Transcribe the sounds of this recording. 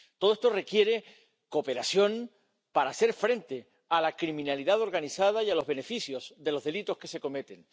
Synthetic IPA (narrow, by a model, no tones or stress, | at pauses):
t̪oðest̪o̞re̞kje̞ɾe̞ | ko̞pe̞ɾasjo̞ŋ | paɾase̞ɾfɾe̞nt̪e̞ | alakɾimĩnaliðaðo̞ɾɣanisað̞ajalo̞zβe̞ne̞fisjo̞sðe̞lo̞zðe̞lit̪o̞hke̞se̞ko̞me̞t̪e̞ŋ